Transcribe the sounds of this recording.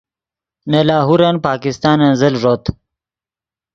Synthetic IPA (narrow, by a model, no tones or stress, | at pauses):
nalɑːɦuɾanpɑːkɪst̪ɑːnɐnzəlʐot̪